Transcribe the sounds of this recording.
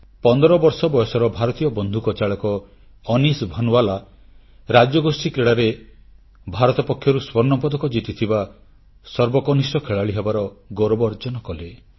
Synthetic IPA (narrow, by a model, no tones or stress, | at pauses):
pɔnd̪ɔɾɔbɔɾsɔbɔjɔsɔɾɔbʱaɾɔt̪ijɔbɔnd̪ʱukɔt͡ʃaɭɔkɔː | nisbʱɔnwala | ɾad͡ʒɔɡosikɾeɽaɾe | bʱaɾɔt̪ɔpɔkʰːjɔɾuswɔɾnɔpɔd̪ɔkɔd͡ʒit̪it̪ʰiba | sɔɾbɔkɔnisɔkʰeɭaɭiɦebaɾɔɡoɾɔbɔɾd͡ʒɔnɔkɔle